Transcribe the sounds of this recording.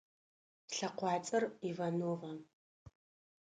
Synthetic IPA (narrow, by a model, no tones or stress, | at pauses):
ɬɐqʷɑːt͡sʼɐrivɐnuːʁɐ